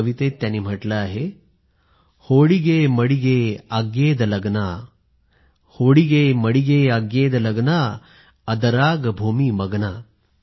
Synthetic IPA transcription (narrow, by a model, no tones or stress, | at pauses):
ʋit̪et̪ːjanːiːm̤əʈlaːɦe | hoɽiɡeməɽiɡeaɡjeːd̪ləɡna | hoɽiɡeməɽiɡeaɡːeːd̪ləɡna | əd̪əɾaːɡbʱumiməɡna